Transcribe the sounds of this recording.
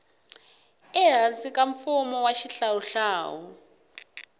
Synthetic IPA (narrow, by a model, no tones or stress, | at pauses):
ɛɦasikʼaɱfumɔwaʃiɬawuɬaːwu